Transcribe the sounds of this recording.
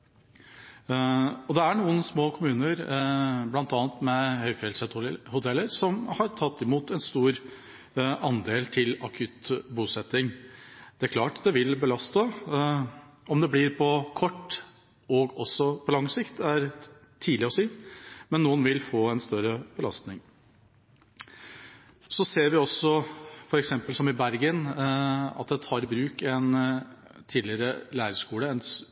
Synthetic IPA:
ɔd̪ɛæɳuːənsmoːkʰʊmʉːnəɾblɑnt̪ɑːənt̪mɛhœʏfɪɛlsət̪hʊt̪ʰɛlːəɾsɔmhɑɾt̪ʰɑt̪ːɪmuːt̪ɛnst̪uːɾ | ɑnd̪eːlt̪ʰɪlɑkʰʉt̪buːsɛt̪ːɪŋd̪̥ɛæɾkʰlɑːʈd̪ɛʋɪlbəlɑst̪ə | ɔmd̪ɛblɪɾpʰɔkʰɔʈː | ɔɡɔsːɔpʰɔlɑŋsɪkt̪æɾ | t̪ʰiːlɪɔsiːmɛnːuːənʋɪlfoːɛnst̪œɾəb̥əlɑ̰st̪nɪŋ | sɔseːɾʋɪɔsːɔfɔɾɛksɛmpəlsɔmɪbæɾɡən | ɑ̰t̪̚d̪ɛt̪ʰɑːɾɪbɾʉːkɛn | t̪ʰiːlɪəɾəlæːɾəʂkuːləɛn

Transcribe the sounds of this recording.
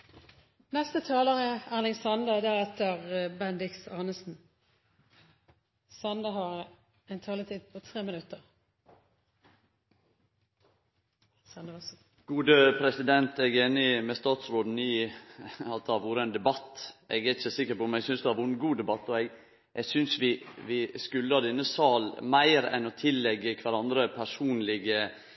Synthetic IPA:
nɛst̪ət̪ʰɑːləʁəælɪŋsɑnd̪ɑd̪ɛɛt̪əʁbɛnd̪ɪksɑːnəsn̩ | sɑnd̪ɑɦɑɾ | ɛnt̪ʰɑːlət̪ʰiːd̪̚pʰɔt̪ʰʁeːmɪnʉt̪ːəʁ | sɑnd̪ɑ | ɡ̥uːd̪əpʰɾɛsɪd̪ɛnt̪ɛɡeːnɪmɛst̪ɑːt̪sɾoːd̪n̩ɪ | ɑt̪hɑɾʋuːɾəɛnd̪ɛbɑt̪ːʔɛɡæɾɪçəsɪkːəɾpɔmnɛɡsʏnsd̪ʉhæɾʋʊɡuːd̪ɛbɑt̪ːɔɛɡ | ʔɛɡsʏnsʋɪʋɪskʉlːəɑd̪ɛnːəsɑːlmæɪɾɛ̰nɔt̪ʰɪlːɛɡːəkʰʋæɾɑnd̪ɾəpʰæʂuːnlɪɡə

